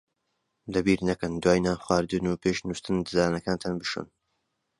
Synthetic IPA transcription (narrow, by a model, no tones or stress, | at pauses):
d̪ɐbiːɾnɐkɨnd̪waːjnaːxwaːɾd̪ɨnuːpʰeʃnust̪ɨnd̪ɨzaːnɐkaːnt̪ʰanbɨʃṵːn